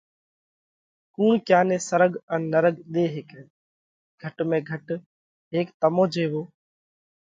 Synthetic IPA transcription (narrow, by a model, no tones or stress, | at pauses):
kuːɳkjaːnẽːsəɾəɠənnəɾəɠɗ̪eːɦeːke | ɡ̥ʱəʈmẽːɡʱəʈ | ɦeːkt̪əmõːd͡ʒʱeːʋoː